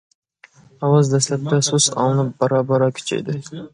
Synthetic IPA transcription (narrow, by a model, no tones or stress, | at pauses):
ɒwɑzd̪aslap̚t̪ːasʊsɒ̰lˠnɪp̚bɒɾɑbɒɾɑkʲʰɵ̥t͡ʃʰa̰jd̪ɪ